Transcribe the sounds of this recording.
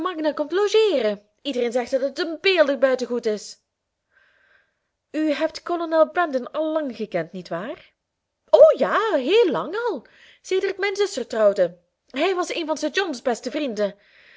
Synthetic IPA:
mɑɡnakɔmtloʒeːrə | idərejnzɛxtɑtətənbeːlˠdərbœɥtəɣutɪs | yɦɛp̚tkolonɛlˠbɛndənɑlˠːɑŋχəkɛntnitʋaːr | oːjaːɦeːlːɑŋɑlˠ | seːdərtmɛjnzʏstərtrɑwdə | ɦɛjʋɑseːnvɑnsəd͡ʒɔnzbɛstəvrində

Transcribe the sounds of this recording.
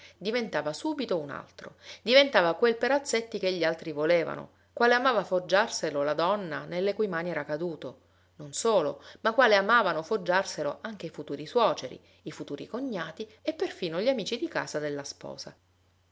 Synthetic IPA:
d̪ivent̪aːvasuːbit̪ouna̰lt̪ɾo̰d̪ivent̪aːvakwelpeɾat̪sːet̪ːikeʎːialt̪ɾivoleːva̰no̰ | kwaːleamaːvafod͡ʒːarselolad̪ɔnːa̰nelːekujmaniɛːɾakad̪uːt̪o | nonsoːlo̰makːwaːleamaːvanofod͡ʒːarseloʔaŋk̟eifut̪uːɾiswɔːt͡ʃeɾḭ | ifut̪uːɾḭkoɲːaːt̪iepːerfiːnoʎːiamiːt͡ʃid̪ika̰ːzad̪elːaspɔ̰ːza̰

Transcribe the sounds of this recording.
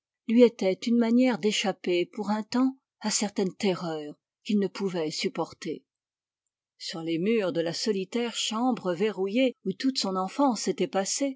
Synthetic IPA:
lɥiet̪ɛt̪ynmanjɛʁd̪eʃapepuʁɛ̃t̪ɑ̃ | asɛʁt̪ɛnt̪eʁœʁ | kʲilnəpuvɛsypɔʁt̪e | syʁlemyːʁd̪əlasɔlit̪ɛʁʃɑ̃bʁəveʁujeut̪ut̪sɔ̃nɑ̃fɑ̃set̪ɛpase

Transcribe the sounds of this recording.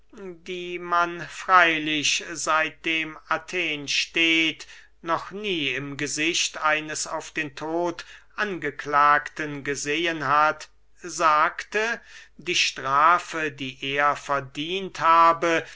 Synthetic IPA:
diːmanfʁ̥aɪlɪɕzaɪt̚d̥eːmatʰeːnʃteːt | nɔχniːɪmɡəzɪɕtaɪnəsaʊfd̥eːntʰoːtʔanɡəklaːktənɡəzeːənɦat | zaːktədiːʃtʁaːfədiːʔeːɐfɛɐdiːnthaːbə

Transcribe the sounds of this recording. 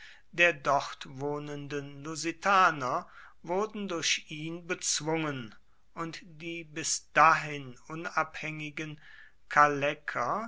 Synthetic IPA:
d̥eːɐdɔʁtvoːnəndənluzitʰaːnɐ | vʊɐdn̩dʊɐʃʔiːnbət͡sv̥ʊŋən | ʔʊntd̥iːbɪsd̥aɦɪnʔʊnaphɛŋɪɡən | kʰalɛkʰɐ

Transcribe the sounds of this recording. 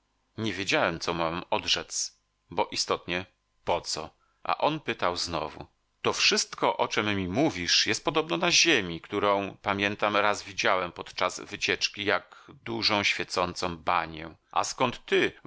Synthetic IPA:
ɲɛvʲjed͡ʑawɛmt̪sɔmamɔd̪ʐɛt̪s | bɔʔist̪ɔt̪ɲɛ | pɔt̪sɔ | ʔa̰ʔɔnpɘt̪awznɔ̰vṵ | t̪ɔfʂɘst̪kɔʔɔt͡ʂɛmːʲimuvʲiʂjɛst̪̚pɔd̪ɔbnɔnaʑemʲikt̪uɾɔ̃w̃pamʲjɛnt̪amɾazvʲid͡ʑawɛmpɔt̪t͡ʂazvɘt͡ɕɛt͡ʂkʲijaɡd̪uʐɔ̃w̃ɕfʲjɛt̪sɔnt̪sɔ̃w̃baɲɛ̃ʔa̰skɔnt̪ːɘ

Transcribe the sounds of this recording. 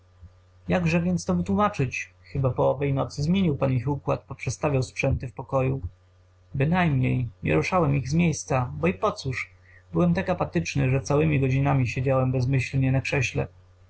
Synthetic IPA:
jaɡʐɛvʲjɛnt̪st̪ɔvɘt̪wumat͡ʂɘt͡ɕ | xɘbapɔɔvɛjnɔt̪sɘzmʲjeɲiwpanixukwat̪pɔpʂɛt̪st̪avʲawspʂɛnt̪ɘfpɔkɔju | bɘnajmɲejɲɛ̰ɾuʂawɛmiɣzmʲjejst̪sabɔipɔt̪suʂ | bɘwɛmt̪akapat̪ɘt͡ʂnɘʐɛt̪sawɘmʲiɡɔd͡ʑinamʲiɕed͡ʑawɛmbɛzmɘɕlɲɛnakʂɛɕlɛ̰

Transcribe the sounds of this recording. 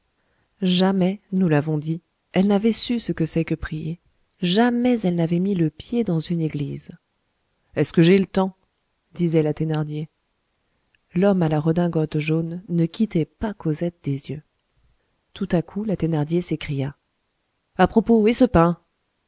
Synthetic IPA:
ʒamɛnulavɔ̃d̪i | ɛlnavɛsysəkəsɛkəpχije | ʒamɛzɛlnavɛmiləpjed̪ɑ̃zyneɡliz | ɛskəʒelət̪ɑ̃ | d̪̥izɛlat̪enaʁd̪je | lɔmalaʁəd̪ɛ̃ɡɔt̪ʒonːəkʲit̪ɛpakɔzɛt̪̚d̪ezjø | t̪ut̪akʰulat̪enaʁd̪jesekχija | apχɔpoesəpɛ̃

